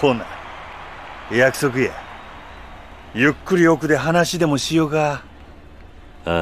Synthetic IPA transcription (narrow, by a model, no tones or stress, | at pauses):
oːna̰ | jakɯ̟sok̬ɯje | jɯ̟kːɯɾʲio̞kɯ̟d̪e̞ɦanaɕid̪e̞mo̞ɕijoɡa